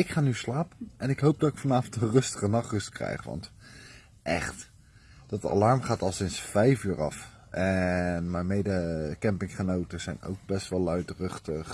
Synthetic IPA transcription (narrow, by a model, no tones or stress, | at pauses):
ɪkχaːnyslaːpənɛnɪkɦowp̚dɑtɪkfɑnaːvəntənrɵstəχənɑχrɵstkrɛ̰jχʋɑ̰nt | ʔɛχt | d̥ɑta̰lɑɹmχaːtɑlˠsɪnsfɛjfyːɹɑ̰f | ʔɛnmɛnmejdəkɛmpɪŋχənowtəz̥ɛjno̰wk̚bɛstʋɛlˠœɥtrɵχtəχ